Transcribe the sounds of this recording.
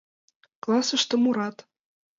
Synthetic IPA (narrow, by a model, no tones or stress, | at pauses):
klˠɑsɤ̆ʃt̪ɤ̆muɾɑt̪